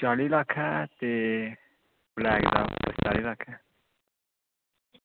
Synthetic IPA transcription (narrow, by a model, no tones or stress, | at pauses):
t͡ʃaːliːləkʰɛːt̪eː | blɛːkd̪a̰ːkəst͡ʃaːliːləkʰːɛː